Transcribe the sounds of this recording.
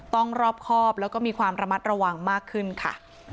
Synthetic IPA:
t̪ɔ˥˩ŋɾɔː˥˩p̚kʰɔː˥˩plɛː˦˥wkɔː˥˩miː˧kʰwaː˧mɾa˧ma˦˥t̪̚ɾa˧wa˧ŋmaː˥˩kʰːɯ˥˩nkʰa̰˥˩

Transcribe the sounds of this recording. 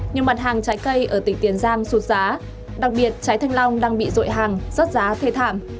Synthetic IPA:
ɲɨ˨˩ma˨˩t̚ɦaː˨˩ŋt͡ɕaː˨˦jkə˧jʔəː˧˩t̪ï˨˩ŋ̟t̪i˨˩ənzaː˧msu˨˩t̚zaː˨˦ | ɗa˨˩k̚ɓi˨˩ət̚t͡ɕaː˨˦jt̪ʰa˧jŋ̟lɔ˧wŋ͡mɗaː˧ŋɓḭ˧˨zo̰˧˨jɦaː˨˩ŋzə˦˥t̚zaː˨˦t̪ʰe˧t̪ʰa̰ː˧˩˨m

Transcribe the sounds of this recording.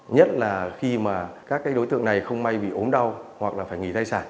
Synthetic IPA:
ɲə˦˥t̚laː˨˩xi˧maː˨˩kaː˦˥kːaː˨˦jɗo˨˦t̪ɨ̰˧˨əŋna˨˩jxə˧wŋ͡mma˧jɓḭ˧˨ʔo˨˦nɗa˧whwa˨˩k̚laː˨˩faː˧˩jŋi˧˩t̪ʰa˧jsaː˧˩n

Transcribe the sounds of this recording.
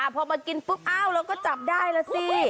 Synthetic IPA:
ʔaː˧˩pʰɔ˧ma˧ki˧nfɯ˦˥p̚ʔaː˥˩wɾlɛː˦˥wkɔː˥˩t͡ɕa˨˩p̚daː˥˩jla˧si˧

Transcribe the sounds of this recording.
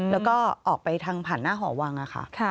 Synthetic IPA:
lɛː˦˥wkɔː˥˩ʔɔː˨˩k̚pa˧jt̪ʰaː˧ŋpʰaː˨˩nːaː˥˩ɦɔː˩˦wa˧ŋʔa˨˩xʰa̰˦˩ʔkʰa˧˩

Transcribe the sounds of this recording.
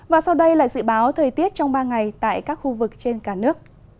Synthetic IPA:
vaː˨˩sa˧wɗə˧jla̰ː˧˨jzɨ̰˧˥ɓaː˨˦wt̪ʰəː˨˩jt̪i˦˥ət̚t͡ɕɔ˧wŋ͡mɓaː˧ŋa˨˩jt̪a̰ː˧˨jkaː˦˥k̚xu˧vɨ˨˩k̚t͡ɕe˧nkaː˧˩nɨ˦˥ək̚

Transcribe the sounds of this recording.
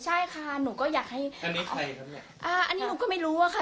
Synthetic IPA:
t͡ɕʰa˥˩jkʰa˥˩nuː˨˩˦kɔː˥˩jaː˨˩k̚ha˥˩ja˧nːi˦a˧jʰa˦˥a˨˩ʔaː˧˩ʔa˧nːiː˦˥nuː˨˧˦kɔː˥˩ma˥˩jɾuː˦˥a˧˩kʰa˥˩

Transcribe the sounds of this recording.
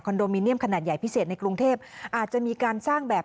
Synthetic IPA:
kʰɔː˧ndoː˧miː˧ni˥əmkʰa˧naː˨˩t̪̚ja˨˩jpʰi˦˥seː˨˩t̪̚na˧jkɾu˧ŋt̪ʰeː˥˩p̚ʔaː˨˩t̪̚t͡ɕa˨˩ʔmiː˧kaː˧nsaː˥˩ŋbɛː˨˩

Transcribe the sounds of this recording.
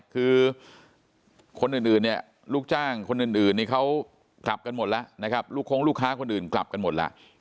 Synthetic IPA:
kʰɯː˧ | kʰo˧nʔɯː˨˩nʔɯː˨˩nːi˥˩ɐ | luː˥˩k̚t͡ɕaː˥˩ŋkʰo˧nʔɯː˨˩nʔɯː˨˩nːiː˥˩kʰa˦˥w | kla˨˩p̚ka˧nmo˨˩t̪̚la˦˥ʔna˦˥kʰa˦˥p̚luː˥˩kʰːoː˦˥ŋluː˥˩kʰaː˦˥kʰo˧nʔɯː˨˩nkla̰˨˩p̚ka˧nmo˨˩la̰˦˥ʔ

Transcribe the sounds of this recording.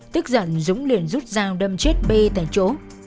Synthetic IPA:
t̪ɨ˦˥k̚zə̰˧˩nzʊ˨˦ŋ͡mli˨˩ənzu˦˥t̚zaː˧wɗə˧mt͡ɕe˦˥t̚ɓe˧t̪a̰ː˧˨jt͡ɕo˨˦

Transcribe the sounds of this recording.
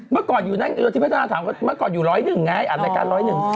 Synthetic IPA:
mə˦˥t̚kɔ˨˩zu˨˩na˨˦ŋ˧o˧t̪ʰi˧a˦˥t̪aː˧t̪ʰaː˨˩mkmə˦˥t̚kɔ˨˩zu˨˩˨lɔ˨˦jnɨ˨˩ŋːaː˨˦jʔaː˨˩a˧jka̰ː˧˦lɔ˨˦jnɨ˨˩ŋ

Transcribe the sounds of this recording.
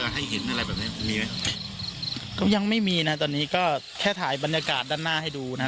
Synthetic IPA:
ɦa˥˩jɦe˩˦nʔa˧ɾa˧jbɛː˨˩p̚ni˦˥ma˧miː˧ma˦˥j | kɔ˥˩ja˧ŋma˥˩jmiː˧na˦˥t̪̬ɔː˧nːiː˦˥kɔː˥˩ | kʰɛː˥˩t̪ʰaː˩˦jba˧njaː˧kaː˨˩t̪̚daː˥˩nːaː˥˩ha˥˩jduː˧na˦˥

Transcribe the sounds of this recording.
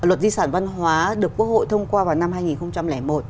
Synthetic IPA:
lwə˨˩t̚zi˧saː˧˩nva˧nɦwaː˨˦ɗɨ˨˩əkːu˦˥ək̚ho̰˧˨jt̪ʰə˧wŋ͡mkwaː˧vaː˨˩wna˧mɦaː˧jŋi˨˩nxə˧wŋ͡mt͡ɕa˧mlɛː˧˩mo˨˩t̚

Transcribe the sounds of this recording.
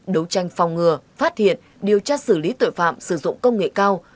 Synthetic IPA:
ɗə˨˦wt͡ɕa˨˧jŋ̟fa˨˩wŋ͡mŋɨ˨˩əfaː˦˥t̚hḭ˧˨ən | ɗi˨˩əwt͡ɕaː˧sɨ˧˩li˨˦t̪o̰˧˨jfa̰ː˧˨msɨ˧˩zʊ̰˧˨ŋ͡mkə˧wŋ͡mŋḛ˧˨kaː˧w

